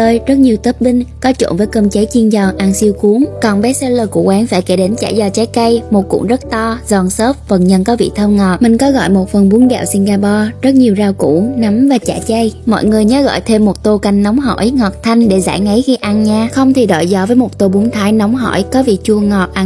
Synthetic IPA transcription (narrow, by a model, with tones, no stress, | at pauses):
əː˧jzə˦˥t̚ɲi˨˩əwt̪ə˦˥p̚ɓï˧ŋ̟kɔ˨˦t͡ɕo̰˧˩˨nvəː˨˦jkə˧mt͡ɕə˨˦jt͡ɕi˧ənzɔ˨˩ʔaː˧ŋsi˧wku˨˦əŋkɔ˨˩nɓɛ˨˦˥sə˧ləː˧˩kṵ˧˩əʔwaː˨˦nfaː˧˩jke˧˩ɗe˨˦nt͡ɕa̰ː˧˩jzɔ˨˩t͡ɕa˨˦jkə˧jmo˨˩t̚kṵ˧˩zə˦˥t̚t̪ɔ˧zɔ˨˩nso˦˥p̚və˨˩nɲə̰˧˨nkɔ˨˦vḭ˧˨t̪ʰəː˧wŋɔ˨˩t̚mï˨˩ŋ̟kɔ˨˦ɣɔ̰˧˨jmo˨˩t̚fə˨˩nɓu˨˦ənɗɛ̰˧˨wsi˧ŋɣaː˧pɔ˧zə˦˥t̚ɲi˨˩əwzaː˧wkṵ˧˩na˨˦mvaː˨˩t͡ɕa̰ː˧˩t͡ɕə˧jmɔ̰˧˨jŋɨ˨˩əjɲəː˨˦˥ɣɔ̰ː˧˨jt̪ʰe˧mːo˨˩t̚t̪o˧ka˧˩jŋ̟nɔ˨˦wŋ͡mɦɔ̰˧˨jŋɔ˨˩t̚t̪ʰa˧jŋ̟ɗe˧˩za̰ː˧˩jŋə˨˦jxi˧ʔaː˧nɲaː˧xə˧wŋ͡mt̪ʰi˨˩ɗɔ̰˧˨jzɔ˧˦vəː˨˦jmo˨˩t̚t̪o˧˩ɓu˨˦ŋt̪ʰaː˨˦jnɔ˨˦wŋ͡mɦɔ̰˧˩˨jkɔ˨˦vḭ˧˨t͡ɕu˧əŋɔ˨˩t̚ʔa˧